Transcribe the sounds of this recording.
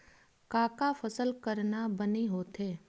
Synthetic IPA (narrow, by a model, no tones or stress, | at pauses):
kaːkafɐsəlkəɾnabəniɦoːt̪ɦeː